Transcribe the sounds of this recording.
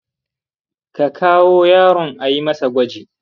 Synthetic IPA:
ka˨kʰaː˦woː˦jaː˦ɾɔ˨ŋʔa˨ji˦mɐ˦sa˨ɡʷɐ˦d͡ʒiː˨

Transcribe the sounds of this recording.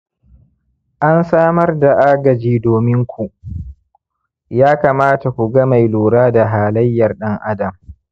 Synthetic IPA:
ʔa˦nsaː˦mɐ˦rda˨ʔaː˦ɡɐ˨d͡ʒiː˦doː˨mɪ˦ŋkʷu˨ʔ | jaː˦kaː˨maː˦ta˨kʷu˨ɡɐ˦ma˨jluː˨ɽaː˦da˨ɦaː˨lɐ˦jːɐ˨rɗɐ˦ŋʔa˦dɐ˨m

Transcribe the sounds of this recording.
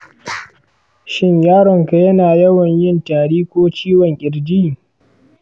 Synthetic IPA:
ʃɪ˦ɲjaː˦ɽɪ˨ŋka˨jɐ˦naː˨jɐ˦wɐ˨ɲjɪ˦ntaː˨ɽiː˦kʷoː˦t͡ʃiː˦wɐ˨ŋkʲʼɪ˨ɽd͡ʒiː˦˨

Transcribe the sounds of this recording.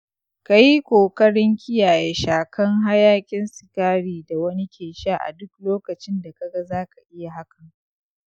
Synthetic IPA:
ka˨ji˦kʷoː˨kɐ˦ɽɪ˦ŋkʲɪ˦jaː˨je˦ʃaː˨kʰɐ˦ŋɦa˦jaː˦kʲʼɪ˦nsɪ˨kaː˦ɽiː˨da˨wɐ˦ni˦kʲʰeː˨ʃaː˦ʔa̰˨dʊ˦kloː˦kɐ˨t͡ʃɪ˦nda˨ka˨ɡɐ˦zaː˦ka˨ʔɪ˦ja˨ɦa˦kʰɐ˨ŋ

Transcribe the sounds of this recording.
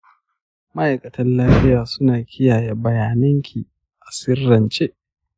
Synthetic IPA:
mɐ˦ʔa˨jkʼɐ˨tɐ˦nlaː˦ɸɪ˦jaː˨sʊ˦naː˨kʲɪ˦jaː˨je˦bɐ˨jaː˨nɐ˦ŋkʲʰi˨ | ʔʔa˨sɪ˦rːɐ˨nt͡ʃʼe˦ʔ

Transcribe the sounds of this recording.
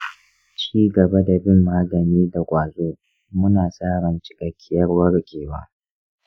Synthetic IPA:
t͡ʃiː˦ɡɐ˨ba˦da˨bɪ˦mːaː˦ɡɐ˨niː˦da˨kʷʼaː˨zoː˦ | mʊ˦naː˨sʼaː˦ɾɐ˨nt͡ʃɪ̥˦kʼɐ˨kʲːɪ˦jɐ˦rwɐ˦ɽkʲʼeː˨wa̰ː˦

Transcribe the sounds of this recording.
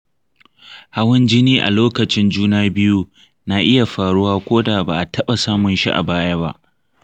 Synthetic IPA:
ha˦wɐ˦nd͡ʒɪ˦niː˦ʔa̰˨loː˦kɐ˨t͡ʃɪ˦nd͡ʒuː˦naː˦bɪ˦ju˦ | naː˨ʔɪ˦ja˨ɸaː˨ɽʊ˦waː˦kʷoː˦da˨baː˨ʔa˨tʰɐ˦ɓa˨saː˦mʊ˨nʃḭ˦ʔa̰˨baː˦ja˦ba̰˦ʔ

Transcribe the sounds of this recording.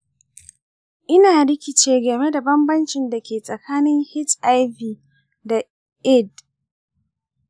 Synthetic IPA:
ʔɪ˦naː˨ɽɪ˦kʲɪ˦t͡ʃeː˦ɡɐ˨me˦da˨bɐ˦mbɐ˦nt͡ʃɪ˨nda˨kʲeː˨sʼɐ˨kʰaː˦nɪ˦ŋhɪ˦tʔa˦jviː˨ | da˨ | ʔɪ˦d

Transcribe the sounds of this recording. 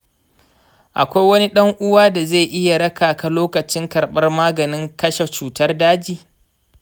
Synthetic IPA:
ʔa̰˨kʷa˦jwɐ˦ni˦ɗɐ˦ŋʔʊ˦waː˦da˨ze˦˨ʔɪ˦ja˨ɽɐ˦kaː˨ka˨loː˦kɐ˨t͡ʃɪ˦ŋkɐ˨ɾɓɐ˦rmaː˦ɡɐ˨nɪ˦ŋkɐ˦ʃe˨t͡ʃuː˨tɐ˦rdaː˦d͡ʒiː˨

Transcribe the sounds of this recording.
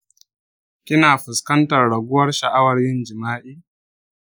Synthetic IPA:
kʲɪ˦naː˨ɸɪ˨skɐ˦ntɐ˨rɽɐ˨ɡʷʊ˦wɐ˦rʃɐ˨ʔa˦wɐ˨rjɪ˦nd͡ʒɪ˨maː˦ʔiː˦

